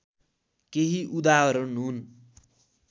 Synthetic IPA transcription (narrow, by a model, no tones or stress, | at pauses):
keɦiʔud̪aɦʌɾʌnɦun